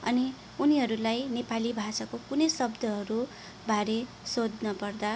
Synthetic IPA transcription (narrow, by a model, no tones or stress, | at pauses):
ʌ̰ni | uniɦʌɾulajnepalibʱasakokunʌjsʌbd̪ʱʌɦʌɾu | baɾe | sod̪nʌpʌrd̪a